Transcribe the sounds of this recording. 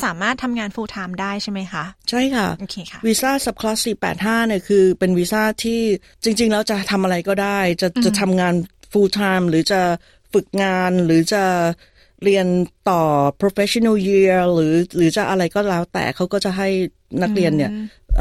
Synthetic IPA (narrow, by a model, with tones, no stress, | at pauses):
saː˩˦maː˥˩t̪ʰːa˧mŋaː˧nfuː˧t̪ʰaː˧mdaː˥˩jt͡ɕʰa˥˩jma˦˥jkʰa˦˥ʔt͡ɕʰa˥˩jkʰa˥˩ʔo˧kʰe˧˦˥wiː˦˥saː˥˩sa˨˩p̚kʰlaː˦˥si˨˩pːɛ̰ː˨˩t̪̚ɦaː˥˩ni˥˩əkʰɯː˧pe˧nwiː˦˥saː˥˩t̪ʰiː˥˩ | t͡ɕi˧ŋt͡ɕi˧ŋlɛː˦˥wt͡ɕa˨˩t̪ʰa˧mʔa˧ɾa˧jkɔː˥˩daː˥˩jt͡ɕa˨˩t͡ɕt͡ɕa˨˩t̪ʰa˧mŋaː˧n | fuː˧t̪ʰaː˧mɾɯː˩˦t͡ɕa˨˩ | fɯ˨˩k̚ŋaː˧nɾɯː˩˦t͡ɕa˨˩ | ɾi˧ənt̪ɔː˨˩pʰɾoː˧fe˦˥sʰo˧na˥˩ji˧əɾɯː˩˦ɾɯː˩˦t͡ɕa˨˩ʔa˧ɾa˧jkɔː˥˩lɛː˦˥wt̪ɛ̰ː˨˩kʰa˦˥wkɔː˥˩t͡ɕa˨˩ɦa˥˩j | na˦˥k̚ɾi˧ənːi˥˩ɐ | ʔ